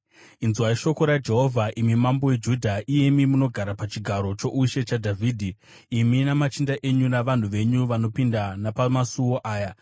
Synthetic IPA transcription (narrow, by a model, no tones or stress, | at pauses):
inzuwaiʃo̞ko̞ɾad͡ʒe̞ɦo̞vʱaʔimimambo̞we̞d͡ʒudʱaʔije̞mimuno̞ɡʱaɾapat͡ʃiɡʱaɾo̞t͡ʃo̞ʔuʃe̞t͡ʃadʱavʱiːdʱi | iminamat͡ʃindaʔe̞ɲunaʋan̤uʋe̞ɲuʋano̞pindanapamasuwo̞ʔaːja